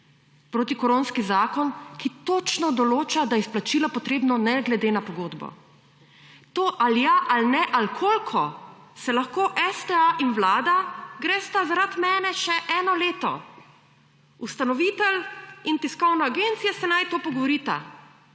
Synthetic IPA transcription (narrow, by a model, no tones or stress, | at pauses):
pɾoːt̪ikɔɾõːnskizaːkɔnkit̪ot͡ʃnɔd̪ɔloːt͡ʃad̪ajɛisplat͡ʃilɔpɔt̪ɾeːbnɔnɛɡlɛd̪eːnapɔɡoːd̪bɔ̰ | t̪oːʔaljaʔalnɛʔalkʰolkʰɔ | sɛlaxkoːʔɛst̪ɛaʔinwlaːd̪aɡɾɛːst̪azaɾat̪mɛːnɛʃɛʔɛːnɔleːt̪ɔ̰ | ust̪anɔʋiːt̪ɛlint̪iskɔwnaaːɡeːnt̪sijasɛnajt̪oːpɔɡɔʋɔɾiːt̪a̰